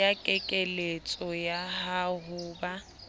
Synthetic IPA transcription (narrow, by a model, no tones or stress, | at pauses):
akʼɛkʼelet͡sʼɔjahaɦʊːba